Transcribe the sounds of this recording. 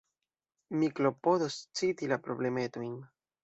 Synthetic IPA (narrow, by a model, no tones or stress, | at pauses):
mikɾo̞pod̪ost͡sit̪ilapɾoble̞met̪ojn